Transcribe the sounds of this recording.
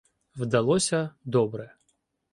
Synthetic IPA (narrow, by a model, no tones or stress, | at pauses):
wd̪ɐlˠɔsʲɐd̪ɔbɾɛ